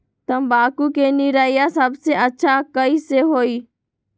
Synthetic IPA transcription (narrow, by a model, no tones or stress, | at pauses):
t̪əmbaːkuːkeːniɾaːijasəbseʔətːʃʰakəiːseɦoːiː